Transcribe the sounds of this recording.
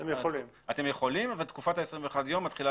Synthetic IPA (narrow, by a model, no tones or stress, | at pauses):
emjeolim | at̪emje̞χo̞limvalt̪kufat̪aesʁĩɱveːχad̪jo̞mːatχila